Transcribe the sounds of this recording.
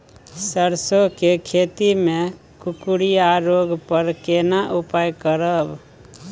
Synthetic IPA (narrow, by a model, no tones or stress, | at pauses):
səɾsokekʰet̪ime | kukuɽijaɾoɡpəɾkenaʔupajkəɾəb